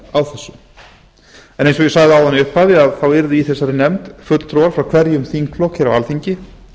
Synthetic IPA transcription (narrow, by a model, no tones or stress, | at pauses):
awθɛsːʏ | ɛ̃nẽjnsɔjɛsaɣðɪawðanːɪʏhphaðɪaðθawɛɾðɪiθɛsːaɾɪnɛmt̪fœːt̪t̪ʰɾoːwaɾ̥fɾawkʰvɛɾjʏmθiŋkʰlɔhcɪɾawalθiɲcɪ